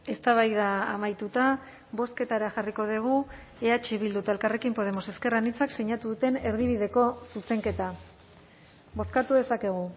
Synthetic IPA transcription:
e̞st̪aβ̞ajðaːmajt̪ut̪a | βo̞ske̞t̪aɾaʝariko̞ðiɣ̞u | e̞at͡ʃeβild̪ut̪ae̞lkare̞kimpo̞ð̞e̞mo̞se̞ske̞ranit͡sakseɲat̪uðut̪e̞ne̞ɾðiβ̞iðe̞ko̞suse̞ŋke̞t̪a | bo̞skat̪uðe̞sake̞ɣ̞u

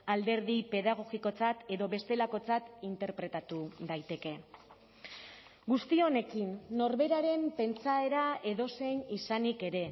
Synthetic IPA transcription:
ald̪e̞ɾðipe̞ðaɣ̞o̞ɣiko̞t͡sat̪e̞ðo̞βe̞st̪e̞lako̞t͡sat̪int̪e̞ɾpɾe̞t̪at̪uðajt̪e̞ke̞ | ɡust̪io̞ne̞kinːo̞ɾβe̞ɾaɾe̞mpe̞nt͡sae̞ɾae̞ðo̞se̞jɲisanike̞ɾe̞

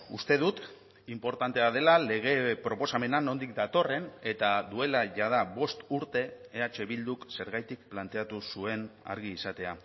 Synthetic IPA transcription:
ust̪e̞ðut̪ | impo̞ɾt̪ant̪e̞aðe̞lale̞ɣ̞e̞pɾo̞po̞same̞nano̞nd̪ik̚d̪at̪o̞re̞ne̞t̪aðue̞laʝað̞aβo̞st̪uɾt̪e̞ːat͡ʃe̞βild̪ukse̞ɾɣajt̪ik̚plant̪e̞at̪usue̞na̰ɾɣ̞iːsat̪e̞a

